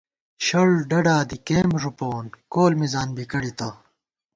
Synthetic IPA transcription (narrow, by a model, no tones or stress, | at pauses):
ɕɐɭɖɐɖaːd̪ikeːmʐupoːnkoːlmizaːnbikɐɽit̪a